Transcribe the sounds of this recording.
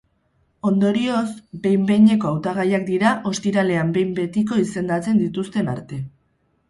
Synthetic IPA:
o̞nd̪o̞ɾio̞zbe̞jmbe̞jɲe̞ko̞awt̪aɣ̞ajakd̪iɾaʔo̞st̪iɾale̞ambe̞jmbe̞t̪ik̬o̞ise̞nd̪at͡se̞nd̪it̪ust̪e̞naɾt̪e̞

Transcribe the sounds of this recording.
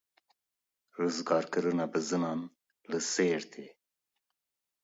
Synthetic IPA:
ɾozɡɑːɾkəɾunabəzənɑn | ləseːɾt̪ʰe

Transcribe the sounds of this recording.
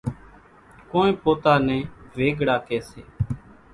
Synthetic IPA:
kõːnẽːpoːt̪aːnɛ̃ːʋeːɡɽaːkɛːseː

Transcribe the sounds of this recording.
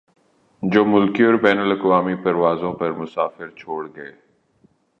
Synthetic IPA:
d͡ʒoːmʊlkiɔːɾbɛːnələkʋaːmipɐɾʋaːzõːpɐɾmʊsaːfɪɾt͡ʃʰoːɽɡɐeː

